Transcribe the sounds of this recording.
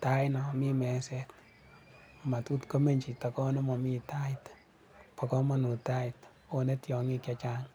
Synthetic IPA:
ta˦jnɔ˨mi˦mɛ˨˦sɛ˦t̚ | ma˨tu˦tko˦me˦ɲt͡ʃi˨ta˨kɔ˦nɔ˦mɔ˨mi˦ta˦it | pɔ˨kɔ˦ma˦nu˨ta˦t | one˦tjɔ˨ŋi˦kjat͡ʃaŋ

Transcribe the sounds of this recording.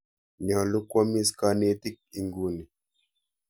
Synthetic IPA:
ɲɔ˨lu˦kwɔ˦mi˦ska˦˧ne˧˦ti˦k̚i˨ŋɡu˨ni˨

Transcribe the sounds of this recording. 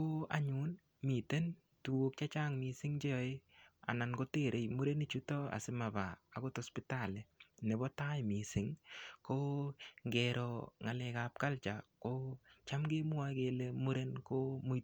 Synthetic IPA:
ko˦a̰˨ɲu˦n | mi˨te˦n | tu˨wo˦k̚t͡ʃa˦t͡ʃa˦ŋmi˨sɪ˦ŋt͡ʃe˦jɔ˨e˦a̰˨na˨nko˦te˦˨ɾʔe˨jmu˦ɾe˦ni˦t͡ʃu˦tɔ˦a̰˨sɪ˦ma˨ba̰ː˨ko˦tɔspita˦˨le˨ne˨bɔ˦ta˦jmi˨sɪ˦ŋko˦ŋɡɛɾɔ˨ŋa˨lɛ˨kap̚ka˦lt͡ʃako˦t͡ʃa˦mɡe˦mʊ˦a˦ke˨le˦mu˦ɾe˦nko˦mu˦

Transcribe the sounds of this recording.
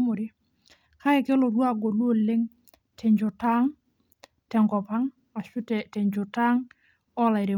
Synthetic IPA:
mʊ˨ɾɪ˦ | ka˦ɪ˨kɪ˦lɔ˨ɾwa˦˨ɡo˨lwo˦˨lːɪ˦ŋ | tʰɛ˨ɲd͡ʒʊ˨ta˦ŋ | tɛ˨ŋɡɔ˨pa˦ŋ | a˨ʃʊ˦ttɛ˨ɲd͡ʒʊ˨ta˦ŋ | ɔ˦la˨ɪ˨ɾɪ˨

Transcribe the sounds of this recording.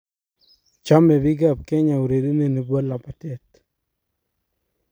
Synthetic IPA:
t͡ʃa˦mɛ˨bɪ˦ɡa˦˨p̚ke˦ɲa˨u˨ɾe˨di˦ne˨ne˨bwo˦la˨pa˨tɛ˦t

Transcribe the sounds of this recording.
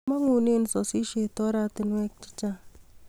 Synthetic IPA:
ma˦ŋu˨ne˦˨n˨sɔ˨si˦ʃe˨tɔ˦ɾa˦tɪ˦nwɛ˦k̚t͡ʃi̥˦t͡ʃa˦

